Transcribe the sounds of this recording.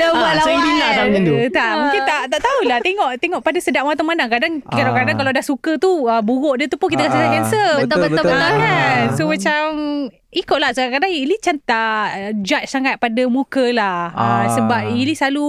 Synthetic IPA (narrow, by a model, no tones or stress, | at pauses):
abalabilaait̪aʔmũŋkint̪aʔt̪aʔt̪aulaht̪eŋɔʔt̪eŋɔʔpadasədaʔwat̪amanaŋkadaŋadakadaŋkalawdahsukət̪uəbuɣɔʔdit̪upʊkit̪akasisakɛnsəəəakansomat͡ʃam | ikʊʔ̚lahsəkakadaŋinit͡ʃant̪ad͡ʒat͡ʃsaŋat̪̚padamukəlahəsəbap̚inisalu